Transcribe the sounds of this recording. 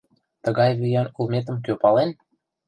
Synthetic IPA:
t̪ə̆ɣɑjβijɑnulˠmʲet̪̬ə̆mk̬ʲøpɑlen

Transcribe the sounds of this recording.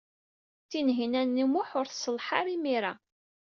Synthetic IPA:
θinɦinænːimʊħʊɾθsəlħaɾimiɾa

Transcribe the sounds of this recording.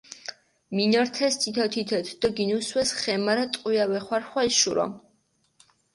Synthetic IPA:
minɔɾt̪ʰɛst̪ʰit̪ʰɔt̪ʰit̪ʰɔt̪ʰd̪̥ɔɡinuswɛsχɛmaɾɛt̪ʼqʼiawɛχwaɾχwaisʃuɾɔ̰

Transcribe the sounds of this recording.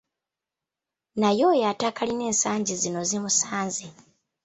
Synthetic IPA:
najo̞ːjatakaline̞ːnsaːɲɟizino̞zimusaːnzi

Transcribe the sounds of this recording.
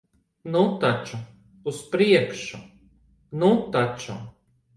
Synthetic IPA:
nut̪at͡ʃʊ | uspɾiɛkʃʊ | nut̪at͡ʃʊ

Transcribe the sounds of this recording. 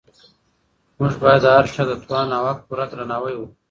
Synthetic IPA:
mʊʒbajad̪aɾʂad̪ət̪wɑːnawakpuɾat̪ɾanawəjwu

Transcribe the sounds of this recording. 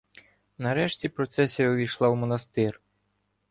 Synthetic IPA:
nɐɾɛʃtʲipɾɔt̪sɛsʲijɐɔʋʲijʃlˠɑwmɔnɐst̪ɪr

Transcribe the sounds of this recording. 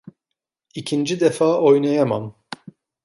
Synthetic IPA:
ikʰind͡ʒid̪ɛfaːʔojnɛjɛma̰m

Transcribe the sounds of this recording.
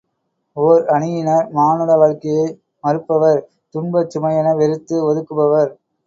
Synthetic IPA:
oːɾɐɳɪjɪnɐɾmaːnɯɽɐʋɐɻkːɐjɐɪ | mɐɾɯpːɐʋɐɾ | t̪ʊɳbɐt͡ʃːʊmɐjɐnɐʋɛɾɯt̪ːɯɔðɯkːɯbɐʋɐɾ

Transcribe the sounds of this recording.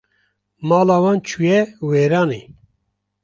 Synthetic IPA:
maːlaːwaːnt͡ʃʰujɛweːɾaːne

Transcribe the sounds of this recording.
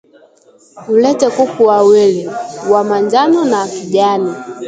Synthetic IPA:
m̩lɛtɛkukuawɛliwamaɲd͡ʒanɔnakiʄani

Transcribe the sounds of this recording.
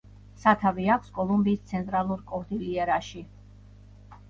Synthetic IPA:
sat̪ʰaviakʰskʼɔlˠumbiːst̪sʰɛnt̪ʼɾalˠuɾkʼɔɾd̪iliɛɾaʃi

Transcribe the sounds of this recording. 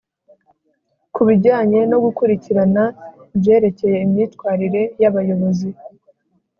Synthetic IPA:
kuβiɟaːɲe̞no̞ɡukuɾiciɾanabje̞ːɾe̞ce̞je̞imɲiːtkwaːɾiɾe̞jaβajo̞βo̞zi

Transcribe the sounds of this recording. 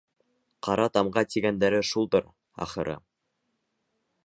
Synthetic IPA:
qʰɑɾɑt̪ɑmɢɑt̪iɡænd̪æɾɘʃulˠd̪ɤɾ | ɑ̰χɤ̆ɾʔɤ̰

